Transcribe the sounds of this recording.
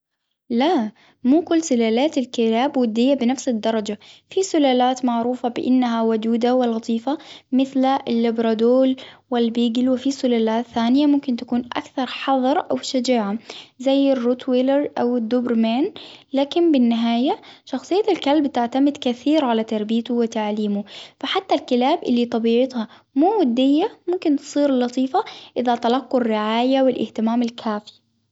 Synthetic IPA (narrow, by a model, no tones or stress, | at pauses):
la | muːkʊlːsʊlaːlaːt̪alkɪlaːbwʊd̪ːɪjːabɪnafsɪd̪ːɑɾˤɑd͡ʒafisʊlaːlaːt̪maʕɾuːfabɪʔɪnːaɦawʊd̪uːd̪awɪlɣɑt̪ˤiːfamɪθlɪlːɪbɾˤɑd̪oːlwɪlbiːɡɪlwɪfisʊlaːlaːt̪θaːnɪjamʊmkɪnt̪akuːnʔa̰kθɑɾˤħɑðˤɑɾˤʔawʃad͡ʒaːʕazajːɪrːuːt̪ʰwɪlɾʔawɪd̪ːubɾmaːnlaːkɪnbɪnːɪɦaːjaʃɑxsˤɨjːaalkalbt̪ɪʕt̪amɪd̪kaθiːɾʕalat̪ɑɾˤbijt̪uwɪt̪aʕliːmʊfaħat̪ːalkɪlaːbʔɪlːit̪ˤɑbiːʕɪt̪ha | muːwad̪ːɪjːamʊmkɪnt̪ɨ̥sˤiːɾlːɑt̪ˤiːfaʔɪðat̪ɑlɑqːʊrːɪʕaːjawɪlʔɪht̪ɪmaːmɪlkʰaːfi̥